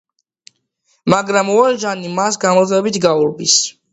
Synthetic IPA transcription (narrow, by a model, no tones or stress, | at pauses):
maɡɾamuaɾʒanimasɡamɔɛbit̪ʰɡauɾbis